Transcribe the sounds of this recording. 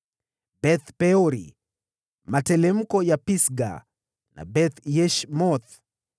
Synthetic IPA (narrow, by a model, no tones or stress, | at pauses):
bɛθpɛɔɾḭ | matɛlɛm̩kɔjapisɡa̰ | na̰bɛt̪jɛʃmɔθ